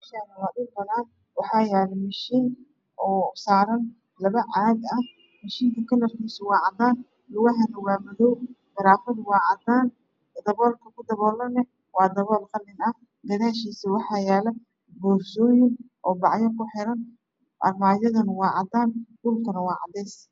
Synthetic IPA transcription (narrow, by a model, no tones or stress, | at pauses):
ʃaːnɐlɐɗʊlbɐðaːn | wɑħɑːjɛːlɛmɐʃiːn | ʔɔːsaːɾɐn | lɐβɐʕaːd̪ɐh | mɐʃiːŋkʰɐkʰɐlɐrkʰiːsɐwɑːʕɑd̪aːn | lʊwɐɦɐnɐwɑːmðɔwfɪɾaːfɐd̪wɑːʕɑd̪aːn | d̪ɐβɔːlkʰɐkʰʊd̪ɐβɔːlɐnɐ | wɑːd̪ɐβɔːlkʰɐnɪnɐ | ɡɐðaːʃiːsɐwɑħɑːjaːlɐ | bɔːrʃɔːjɪnʔɔːbɑʕjɔkʊħɪɾɐn | ʔɐ̰rmaːjɐðɐnɐwɑːʕɑd̪aːndʊlkʰɐnɐwɑːʕɑ̰d̪ɛːs